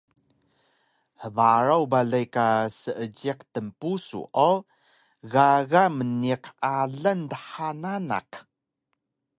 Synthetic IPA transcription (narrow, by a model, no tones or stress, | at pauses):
ħəvaɾawbaɮajkasəʔəɟiqtəmpusṵʔo | ɣaɣaməniqaɮantəħanana̰q